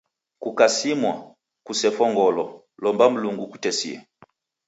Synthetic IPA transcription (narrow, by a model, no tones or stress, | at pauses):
kukasimwa̰ | kusɛfɔŋɡɔlɔ | lɔmbam̩luŋɡuku̥tɛsḭɛ̰